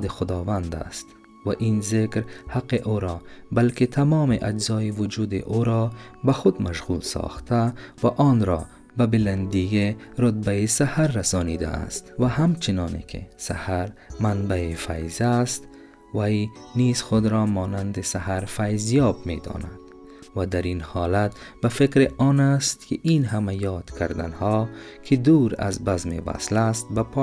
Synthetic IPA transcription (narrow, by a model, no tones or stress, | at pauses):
d̪iχʊd̪ɔːvand̪a̰st̪ | vaʔinzekɾhaqːiʔuɾɔbalkit̪ʰamɔːmiʔad͡ʒzɒːivʊd͡ʒuːd̪ḭʔuɾɔbaχʊd̪maʃɣulsɔ̰ːχt̪ʰavaʔɔnɾɔ | babiland̪ijeɾʊt̪̚baisahaɾːasɔːnid̪a̰a̰st̪vahamt͡ʃʰinɔːnḛkʰḭsahaɾmanbaifajzast̪ | vajniz̥χʊd̪ɾɔːmɒːnand̪isahaɾfajzijɒbmḛd̪ɒ̰ːna̰d̪̥ | vad̪aɾinhɒːlat̪̚bafekɾiɔːnast̪̚kʰɪʔinɦamajɒːd̪̥kʰaɾd̪anhɔkʰɪd̪uːɾa̰zbazmḛva̰slast̪̚bapʰɔ